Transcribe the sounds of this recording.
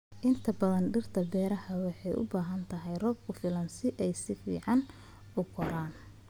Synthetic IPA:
ʔɪnt̪ʰɐbɐðɐnɖɪrt̪ʰɐbɛːɾɐhɐwɑħɑjʔʊ̰baːɦɐnt̪ʰɐɦɛjrɔːb̚kʰʊfɪlɐnsɪʔɛjsɪfḭːʕɑn | ʊkʰɔɾaːn

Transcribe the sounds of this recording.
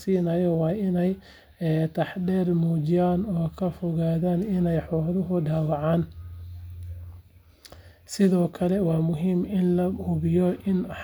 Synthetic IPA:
siːnɐjɔwɑːɪnɛj | t̪ʰɐħɖɛːrmuːt͡ʃɪjaːnɔːkʰɐfɔɣaːðaːnɪnɛjħɔːðʊɦʊɖaːwɑʕaːn | sɪðɔːkʰɐlɛwɑːmʊɦiːmɪnlɐʊβɪjɔʔɪnħ

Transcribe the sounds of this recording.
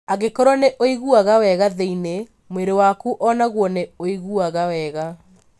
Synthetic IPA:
aɣekɔɾwaneʔoiɣuaɣawɛɣaðeine | mweɾewakuʔɔnaɣwɔneoiɣuaɣawɛɣa

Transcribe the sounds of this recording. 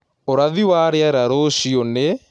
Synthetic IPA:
oɾaðiwaɾeaɾaɾoʃione

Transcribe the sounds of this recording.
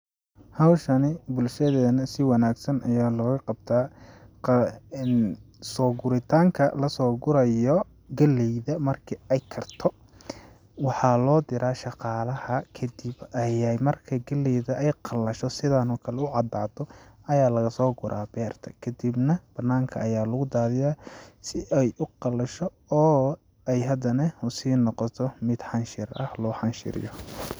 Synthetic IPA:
hɐwʃɐnɪbʊlʃɐðɛːnɐsɪwɑnaːɡsɐnʔɐjaːlɔːɣɐqɑb̚t̪ʰaːqːn | sɔːɡʊɾɪt̪ʰaːŋkʰɐ̰lɐsɔːɡʊɾɐjɔ | ɡɐlɛjðɐmɐrkʰiɛjkʰɐrt̪ʰɔ | wɑħɑlɔːd̪ɪɾaːʃɑqɑːlɐhɐkʰɐd̪ɪbɐjɛjmɐrkʰɐɡɐlɛjðɐʔɛjqɑlɐʃɔsɪðanɔːkʰɐlɛʊʕɑd̪aːd̪ɔɐjaːlɐɣɐsɔːɡʊɾʔaːbɛːrt̪ʰɐ̥kʰɐd̪ibnɐb̥ɐnːaːŋkʰɐɐjaːlɐɣʊd̪aːðɪjaːsɪʔɛjʔʊqɑlɐʃɔ | ɔː | ɛjɦɐd̪ɐnɐhʊsiːnɔqɔt̪ʰɔmɪd̪ħɑnʃɪrɐhlɔːħɑnʃɪ̰ɾɪ̰jɔ

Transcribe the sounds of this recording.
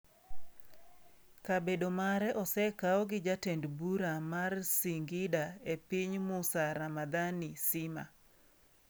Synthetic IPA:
kabedomaɾɛʔɔsɛkaɔɡɪd͡ʒatendbuɾamarsiŋɡɪdaepiɲmusaɾamad̪anisɪma̰

